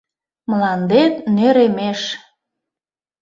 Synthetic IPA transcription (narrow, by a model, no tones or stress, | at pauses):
mlɑnd̪et̪nøɾemeʃ